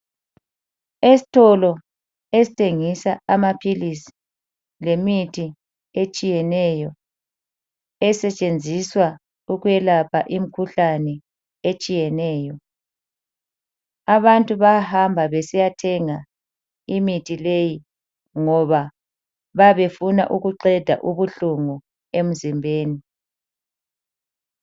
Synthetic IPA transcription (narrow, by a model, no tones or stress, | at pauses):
esi̥tʰɔlɔ | esi̥tʰeŋisaamapʰilisi̥ | lemitʰi | et͡ʃʼijɛnɛjɔ | ɛsɛt͡ʃʼend͡zʱiswa | uɣuɛlapʰa̰ʔim̩kʰuɬanɛ | et͡ʃʼijɛnɛːjɔ | aβantʼuβahambʱaβesijatʰɛŋa | imitʰʼileji | ŋɔβa | βaβefuna̰ʔuɣuǃɛd̥ʱa̰ʔuβuɬuŋu | em̩zimbʱeːni